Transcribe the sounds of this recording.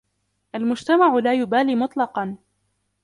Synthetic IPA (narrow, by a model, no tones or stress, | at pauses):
ʔalmʊd͡ʒt̪amaʕʊlaːjʊbaːliːmʊt̪ˤlɑqɑn